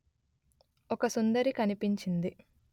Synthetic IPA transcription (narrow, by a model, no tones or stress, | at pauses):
ɔkɐsund̪ɐɾikɐnipiɲt͡ʃind̪i